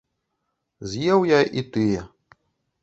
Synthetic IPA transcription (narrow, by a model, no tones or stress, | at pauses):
zʲjɛwjaʔit̪ɨjɛ